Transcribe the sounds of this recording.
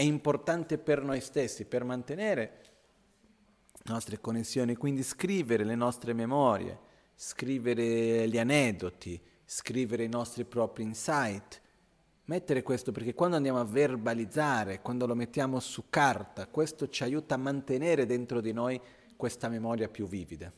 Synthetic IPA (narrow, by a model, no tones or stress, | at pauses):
ɛimport̪ant̪epernojst̪esːipermant̪eneːɾe | nɔst̪ɾekonːesːjoːnikwind̪iskɾiːveɾelenɔst̪ɾememɔːɾjḛ | skɾiːveɾelianɛd̪ːot̪i | skɾiːveɾeinɔst̪ɾipɾɔːpɾinsajt̪ | mɛt̪ːeɾekwest̪operk̟ekːwand̪oand̪aːmoaverbalid̪zaːɾekwand̪olomet̪ːjaːmosukːart̪akwest̪ot͡ʃiajuːt̪aːmːant̪eneːɾed̪ent̪ɾod̪inoj | kwest̪amemɔːɾjapjuvːiːvid̪a